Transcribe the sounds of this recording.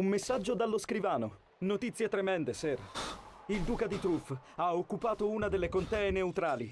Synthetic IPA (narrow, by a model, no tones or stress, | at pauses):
umːesːad͡ʒːod̪alːoskɾivaːno̰ | not̪it̪sːjet̪ɾemɛnd̪esɛrild̪uːkad̪it̪ɾufaokːupaːt̪ounad̪elːekont̪ɛːeneut̪ɾaːli